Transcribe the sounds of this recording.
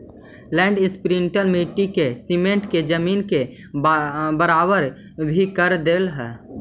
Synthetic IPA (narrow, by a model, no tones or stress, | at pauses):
lɛ̃ːɳɖɪspɾiɳʈəlmiʈikesimẽɳʈked͡ʒəmiːnke | bəɾaːbəɾ | bʱikəɾd̪eːlɦɛː